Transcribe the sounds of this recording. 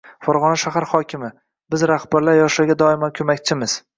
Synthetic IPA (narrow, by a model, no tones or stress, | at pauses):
fɒɾʁɒnaʃaɦaɾχɒkʲʰɪmɪ | bɪzɾahbaɾlaɾjɒʃaɡʲad̪ɒɪmankʲʰɵmakʲt͡ʃʰɪmɪz̥